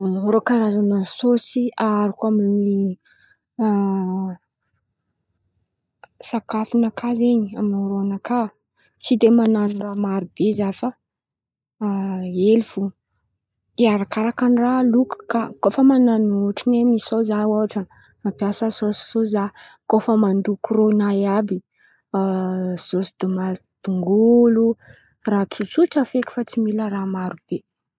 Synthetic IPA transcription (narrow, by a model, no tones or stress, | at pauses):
ɾokaɾazanəsosiaɾikʲamini | sakafinakʰazeɲiaminiɾoanaka | t͡sid̪emananiramaɾibezafa | elivu | iaɾakaɾakanraluku̥kakofəmananoʈ͡ʂinemisozaaʈ͡ʂə | mapjasəsossozakofəmand̪ukronajabi | z̥osid̪̥umad̪̥uŋɡulu | rat͡sut͡suʈ͡ʂafekʲi̥fat͡similəramaɾub̥e